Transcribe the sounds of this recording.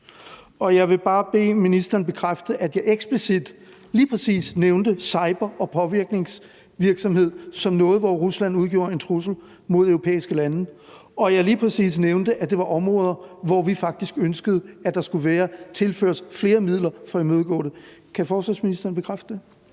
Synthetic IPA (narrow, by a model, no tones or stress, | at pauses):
ɒ̽jɑ̈ɪʋe̝b̥ɑ̈ːb̥e̝̰ːminisd̥ɐːnb̥e̝kʰʁafd̥əʔæd̥jɑ̈ɪʔeɡ̥sb̥lisid̥ | liːpʰʁɛsḭːsneʊnd̥əsɑ̈ɪb̥ɐʔɒ̽pʰɒ̽ʋiɐɡ̥ne̝ŋs | ʋiɐɡ̥sɒ̽mhe̝ð̞̰ˠsɒ̽mnɔ̽ːð̩ˠʋɒʁuslæn̰uð̞ˠɡ̥o̝̰ːɐe̝nt͡sʰʁusl̩ | mo̝ð̞̰ˠøʊʁopʰḛːisɡ̥əlænə | ɒ̽jɑ̈ɪliːpʰʁɛsḭːs̬neʊnd̥əʔæd̥e̝ʋɑ̈ʔɒ̽mʁɔ̽ːð̞ˠɐʋɒʋifɑ̈ɡ̥̚d̥isɡ̥ønsɡ̥əð̞̩ˠæd̥ɑ̈sɡ̥uʋæːɐt͡sʰe̝lfø̰ːɐsfle̝ːɐmið̞̰ˠlɐfɒ̽imøðˠɡ̥ɔ̰ːɾ̥ekʰæfɒːsʋænsminisd̥ɐnb̥e̝kʰʁafd̥əd̥e̝